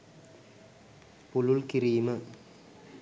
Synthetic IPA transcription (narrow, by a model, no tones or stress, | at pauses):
pʊɻʊlkɪɾiːmɐ